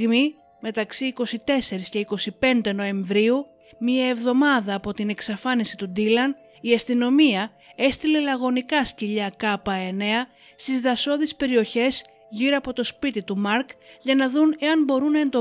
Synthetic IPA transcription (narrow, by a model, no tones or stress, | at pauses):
mi | me̞t̪ɐksiːko̞sit̪e̞se̞ɾisce̞iko̞sipe̞nd̪e̞no̞e̞ɱvɾiu | miɐe̞vðo̞mɐðɐːpo̞t̪ine̞ksɐfɐnisit̪ud̪ilɐn | iɐst̪ino̞miɐ | e̞st̪ile̞lɐɣo̞nikɐsciʎɐkɐpɐe̞ne̞ɐ | st̪izðɐso̞ðispe̞ɾio̞çe̞z | ʝiɾoɐpo̞t̪o̞spit̪it̪umɐɾkʝɐnɐðune̞ɐnbo̞ɾunːɐe̞nd̪o